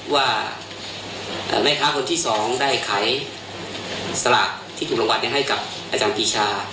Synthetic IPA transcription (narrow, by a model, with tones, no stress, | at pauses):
waː˥˩ | ʔə̰ː˧˩ɾa˦˥˩jkʰaː˦˥kʰo˧nt̪ʰiː˥˩sɔː˩˦ŋdaː˥˩jkʰa˩˦j | sa˧la̰ː˨˩k̚t̪ʰiː˥˩t̪uː˨˩lo˧wa˧nka˧˩ɦa˥˩jka˨˩p̚ | ʔaː˧t͡ɕaː˧npiː˧t͡ɕʰaː˧